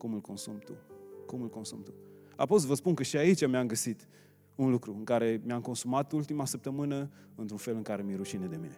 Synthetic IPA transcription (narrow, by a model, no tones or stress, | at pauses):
kumɨlko̞nsumt̪ṵkumɨlko̞nsumt̪u | a̰pos̬vəspunkəʃiait͡ʃʲamiamɡəsit̪ | unlukɾuɨŋkaɾe̞mjamko̞nsumat̪ult̪imasəp̚t̪əmɨnə | ɨnt̪ɾunfe̞lɨŋkaɾe̞miɾuʃined̪e̞mine̞